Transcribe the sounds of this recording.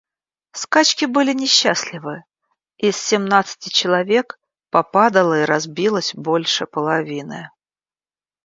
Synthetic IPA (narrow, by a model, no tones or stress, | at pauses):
skat͡ɕkʲɪbɨlʲɪnʲɪɕːasʲlʲɪvɨ | isːʲɪmnat̪sɨ̥tʲɪt͡ɕɪlˠɐvʲe̞k | pɐpad̪əlˠəiɾɐzbʲilˠəsʲbo̞lʲʂɨpəlˠɐvʲinɨ̰